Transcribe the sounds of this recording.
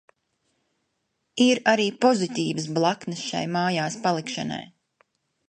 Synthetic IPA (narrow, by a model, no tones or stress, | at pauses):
iɾaɾiːpɔzit̪iːvəs̬blˠaknɨsʃa̰jmaːjaːspalˠikʃa̰na̰j